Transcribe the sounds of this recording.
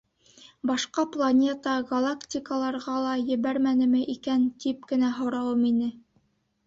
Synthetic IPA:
bɑʃqɑplˠɐnʲe̞t̪ɑɡɐlˠaktʲikəlˠɑɾʁɑlˠɑjɘ̆βæɾmænɘ̆mɘʔikænt̪ip̚kɘ̆næɦŏwɾɑwɤminɘ

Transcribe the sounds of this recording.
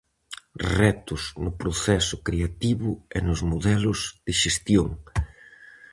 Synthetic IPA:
rɛt̪ʊznʊpɾoθɛsʊkɾeat̪iβʊenʊzmoðɛlʊzðɪʃest̪joŋ

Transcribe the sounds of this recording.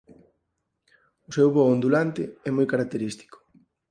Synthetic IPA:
ʊsewβɔond̪ulant̪ɪɛmojkaɾak̚t̪eɾist̪i̥kʊ̥

